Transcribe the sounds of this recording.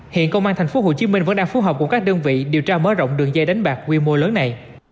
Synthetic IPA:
hḭ˧˨ənkə˧wŋ͡maː˧nt̪ʰa˨˩jŋ̟fo˨˦ho̰˧˨t͡ɕi˨˦mi˧ŋ̟və̰˧˥nɗaː˧ŋfu˨˦ɦəː˨˩p̚kʊ˧˩ŋ͡mkaː˦˥k̚ɗəː˧nvḭ˧˨ɗi˨˩əwt͡ɕaː˧məː˨˦zə̰˧˨ŋ͡mɗɨ˨˩əŋzɛ˧jɗa˨˦jŋ̟ɓaː˨˩k̚kwi˧mo˧ləː˨˦nːa˨˩j

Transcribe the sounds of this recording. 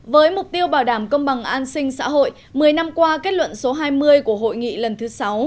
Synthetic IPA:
vəː˨˦jmʊ˨˩k͡p̚t̪i˧əwɓaː˧˩wɗaː˧˩mkə˧wŋ͡mɓa˨˩ŋʔaː˧nsï˧ŋ̟sa̰ː˧˥ɦo̰˧˨j | mɨ˨˩əjna˧mkwaː˧ke˦˥t̚lwə̰˧˨nso˨˦ɦaː˧jmɨ˧əjku˧˩əɦo̰˧˨jŋḭ˧˨lə˨˩nt̪ʰɨ˨˦sa˨˦w

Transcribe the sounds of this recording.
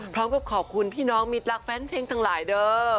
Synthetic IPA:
pʰɾɔː˦˥mka˨˩pkʰɔː˨˩kʰu˧npʰiː˥˩nɔː˦˥ŋmi˦˧˩t̪̚ɾa˦˥k̚fɛː˦˥npʰeː˧ŋt̪ʰa˧˥ŋlaː˩˦jdɤː˧

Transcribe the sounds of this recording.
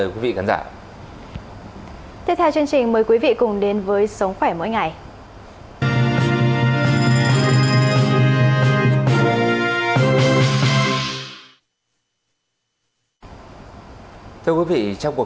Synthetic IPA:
ə˨˩jkwi˨˦vḭ˧˨ka˨˦nzaː˧˩ | t̪i˦˥p̚t̪ʰɛ˧wt͡ɕɨ˧əŋt͡ɕï˨˩ŋ̟məː˨˦jkwi˨˦vḭ˧˨kʊ˨˩ŋ͡mɗe˨˦nvəː˨˦jsə˨˦wŋ͡mxwɛ˧˩mo̰˧˥˦jŋa˨˩j̪ | t̪ʰɨ˧əkwi˨˦vḭ˧˨t͡ɕɔ˧wŋ͡mku˨˩ə

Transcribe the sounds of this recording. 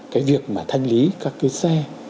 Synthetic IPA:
kaː˨˦jvi˨˩ək̚maː˨˩t̪ʰa˧jŋ̟li˨˦kaː˦˥kːi˨˦sɛ˧

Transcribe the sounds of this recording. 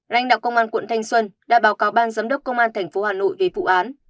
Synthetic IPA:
la̰˧jŋ̟ɗa̰ː˧˨wkə˧wŋ͡mʔaː˧nkwə̰˧˨nt̪ʰa˧jŋ̟swə˧nɗa̰ː˧˥ɓaː˨˦wkaː˨˦wɓaː˧nzaː˨˦mɗə˦˥k͡p̚kə˧wŋ͡mʔaː˧nt̪ʰɛ˨˩ŋ̟fo˨˦haː˨˩no̰˧˨jve˨˩vṵ˧˨ʔaː˨˦n

